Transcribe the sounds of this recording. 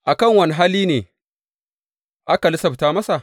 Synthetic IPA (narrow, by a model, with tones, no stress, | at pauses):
ʔa˨kɐ˦˨ŋwɐ˦ni˨ɦaː˦liː˦neː˨ | ʔa˦ka˨lɪ˦sɐ˨ɸtaː˦mɐ˦sa˨ʔ